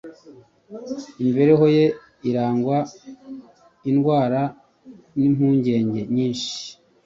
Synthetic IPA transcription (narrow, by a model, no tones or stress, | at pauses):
imibe̞ɾeɦo̞je̞ | iɾaːŋɡwa | inɡwaːɾa | nimhuːɲɟe̞ːɲɟe̞ɲiːnʃi̥